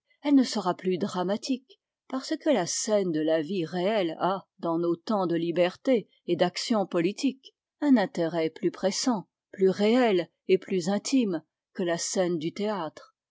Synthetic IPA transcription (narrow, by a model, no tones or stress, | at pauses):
ɛlnəsəʁaplyd̪ʁamat̪ik | paʁsəkəlasɛnd̪əlaviʁeɛlad̪ɑ̃not̪ɑ̃d̪əlibɛʁt̪e | ed̪aksjɔ̃pɔlit̪ik | ɛ̃nɛ̃t̪eʁɛplypχesɑ̃ | plyʁeɛl | eplyzɛ̃t̪ʰim | kəlasɛnd̪yt̪eat̪χ